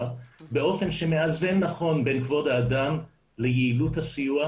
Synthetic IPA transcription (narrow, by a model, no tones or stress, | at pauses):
beo̞fe̞nʃeme̞azenːaχo̞nbe̞nkvo̞daːdam | lejeiluthasijua